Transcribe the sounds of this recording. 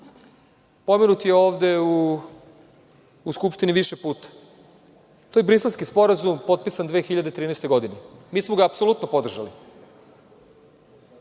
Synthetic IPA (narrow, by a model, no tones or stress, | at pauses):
pomenut̪ijeoːʋd̪e̞ | skupʃt̪iniʋiʃepuːt̪ḁ | t̪oːjbɾiselskispo̞ɾazumpo̞t̪̚pisand̪ʋe̞ːxiʎad̪et̪ɾiːnest̪e̞ɡo̞d̪inemiːsmoɡaːpsolˠut̪nopo̞d̪rʒalḭ